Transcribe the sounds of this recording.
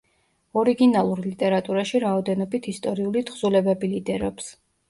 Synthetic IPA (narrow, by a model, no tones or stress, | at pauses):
ɔɾiɡinalˠuɾlit̪ʼɛɾat̪ʼuɾaʃiɾaɔd̪ɛnɔbit̪ʰist̪ʼɔɾiulit̪χz̥ulɛbɛbilid̪ɛɾɔps